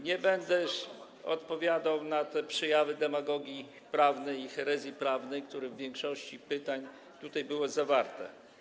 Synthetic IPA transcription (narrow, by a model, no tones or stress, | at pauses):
ɲɛbɛnd̪ɛʂ | ɔ̰t̪pɔvʲjad̪awnat̪ɛpʂɛjavɘd̪ɛmaɡɔɡʲji | pɾavnɛjixɛɾɛzʲjipɾavnɛjk̚t̪uɾɛvːʲjɛŋkʂɔɕt͡ɕipɘt̪aɲ | t̪ut̪ajbɘwɔzavaɾt̪ɛ̰